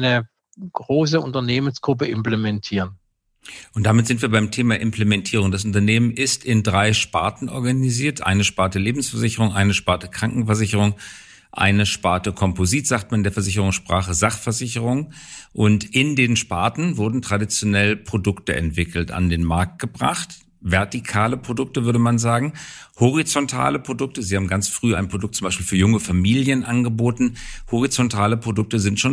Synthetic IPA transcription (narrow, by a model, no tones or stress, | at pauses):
nə | ɡ̥ʁoːs̬əʊntɐneːmənsɡ̥ʁʊp̬əɪmplemɛntʰiːʁən | ʔʊnt̚d̥aːmɪtz̥ɪntv̥iːɐbaɪmtʰeːmaʔɪmplemɛntʰiːʁ̞ʊŋdas̬ʔʊntɐneːmənʔɪstɪndʁaɪʃpaɐtn̩ʔɔɐɡaniziːɐtʔa̰ɪnəʃpaɐtəleːbm̩sfɛɐzɪçəʁ̞ʊŋʔaɪnəʃpaɐtəkʁ̥aŋkŋ̩fɛɐzɪçəʁʊŋ | ʔa̰ɪnəʃpaɐtəkʰɔmpoziːtz̥aːk̚t̚manɪndeːɐfɛɐzɪçəʁ̞ʊŋsʃpʁ̥aːχəzaχfɛɐzɪçəʁ̞ʊŋ | ʔʊntʔɪndeːnʃpaːɐtn̩vʊɐdn̩tʁ̥adit͡sjonɛlpʁ̥odʊktəʔɛ̰ntv̥ɪkl̩ta̰ndeːnmaɐk̚t̚ɡ̥əbʁa̰χt | vɛɐtikʰaːləpʁ̥odʊk̚təvʏɐdəmanzaːɡŋ̩ | hɔʁ̞it͡sɔntʰa̰ːləpʁ̥odʊk̚təziːhaːbm̩ɡant͡sfʁ̥yːa̰ɪnpʁ̥odʊk̚tt͡sʊmaɪʃpiːlfyːɐjʊŋəfamiːljənʔanɡəboːtn̩hoʁ̞it͡sɔntʰaːləpʁ̥odʊk̚təzɪntʃoːn